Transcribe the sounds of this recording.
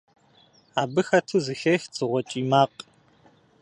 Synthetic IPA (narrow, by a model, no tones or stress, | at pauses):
aːbɨxɐtʰɨzɨxɐxt͡sʼɨʁʷɔt͡ʃʼiːmaːqʼ